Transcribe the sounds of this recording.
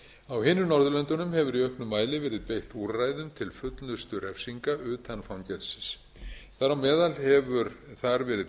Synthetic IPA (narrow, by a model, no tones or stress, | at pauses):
awhɪːnːʏnɔɾðʏlœnt̪ʏnʏmhɛvʏɾiœhknʏmːaːjlɪvɛːɾɪðpejht̪uɾraːjðʏmt̪ʰɪlfʏt̪lʏst̪ʏɾɛfsiŋkaʔʏːt̪ʰanfawncɛlsɪs | θaɾawmɛːðalhɛvʏɾθaɾvɛːɾɪ